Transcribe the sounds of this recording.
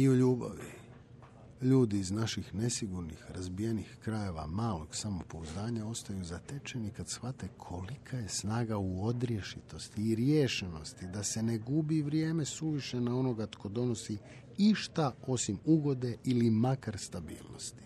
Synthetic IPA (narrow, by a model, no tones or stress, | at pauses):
iuʎuːba̰ʋi | ʎuːd̪iːznaʃixne̞siɡuɾnḭxɾazbije̞nixkɾaje̞ʋa̰maːlo̞ɡ̥samopouzd̪aːɲao̞st̪ajuzat̪e̞t͡ʃe̞nikad̪sxat̪ekʰo̞likʰaje̞snaːɡauo̞d̪ɾje̞ʃit̪o̞st̪iːɾjeːʃeno̞st̪id̪ase̞ne̞ɡubiʋɾje̞ːme̞suʋiʃe̞nao̞no̞ɡat̪kʰo̞d̪o̞no̞si | iʃt̪ao̞simuɡo̞d̪e̞ilimakaɾst̪abḭːlˠno̞̰st̪i̥